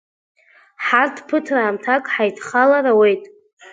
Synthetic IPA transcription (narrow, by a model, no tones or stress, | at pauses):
ħartʰpʰɨtʰraːmtʰakʼħajtʰχalaɾawe̞jtʼ